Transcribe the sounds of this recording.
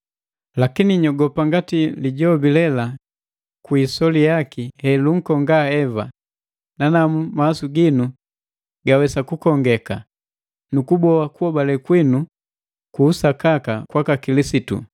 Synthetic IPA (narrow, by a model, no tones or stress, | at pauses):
lakiniɲɔɡɔpaŋɡatiliɟɔbilɛla | kwiːsɔlijakihɛluŋ̩kɔŋɡaɛva | nanamumaːsuɡinu | ɡawɛsakukɔŋɡɛka | nukubɔakuɔbalɛkwinu | kuːsakakakwakakilisitṵ